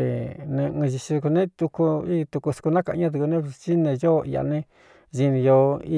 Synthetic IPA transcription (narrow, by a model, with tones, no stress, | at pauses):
ḛ˨nẽ˧ɨ̃˧ʒi˧t͡ʃi˧ku˧nẽ˦t̪u˧ku˧i˦˧t̪u˧ku˧su̥˧ku˧nã˦ka˧ɲã˦t̪̬u˧ku˧nẽ˦t͡ʃi˦nẽ˧jo˦˧i˧ja̰˧nẽ˦ | ʒi˧nĩ˧jo˧i˧